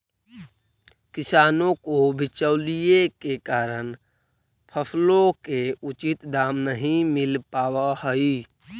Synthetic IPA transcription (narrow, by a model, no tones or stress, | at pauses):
kɪsaːnõkobʱɪt͡ʃəʊlijekekaːɾən | pʰəsʰlõkeut͡ʃit̪d̪aːmnəɦĩmɪlpaːwahəi